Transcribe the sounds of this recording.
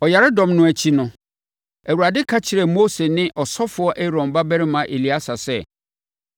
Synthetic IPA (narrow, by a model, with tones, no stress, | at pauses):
ɔ˨ja˨ɾɪ˦dɔ̃˨mnʊ̃˦˨æ˨t͡ɕʰi˦nʊ̃˦ | æ˨wu˨ɾa˨dɪ˦kʰa˦t͡ɕʰɪ˨ɾɛ˨moː˦se˨nɪ̃˦ʔɔ˨sɔ˦fʊ˨˦ɔ˦ʔɛ˦ɾɔ̃˨mba˦bæ˦ɾɪ˦mã˨ʔe˨li˨a˦sa˨sɛ˦